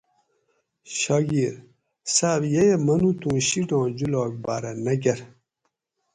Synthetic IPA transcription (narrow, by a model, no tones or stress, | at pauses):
ɕaɡiɾ | saːbjejemɐnut̪ũːɕiɖɔ̃ːd͡ʑulɔːk̚baːɾɐnɐɡɐɾ